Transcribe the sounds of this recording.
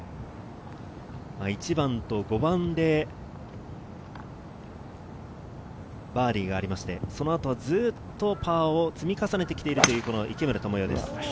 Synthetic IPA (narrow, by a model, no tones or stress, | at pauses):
mait͡ɕibãnt̪o̞ɡo̞bãnd̪e̞ | baːɾʲiːɡaːɾimaɕi̥t̪e̞so̞no̞at̪o̞β̞azɨːt̪ːo̞paːo̞t͡sɨmʲikasane̞t̪e̞kʲt̪e̞iɾɯ̟t̪o̞jɯ̟ːko̞noʔikemɯ̟ɾɯt̪omojo̞ːd̪e̞̰sɨ̥